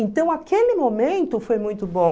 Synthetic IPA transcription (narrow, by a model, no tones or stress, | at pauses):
ẽnt̪ɐ̃w̃akelɪmomẽnt̪ʊfojmũj̃t̪ʊbõ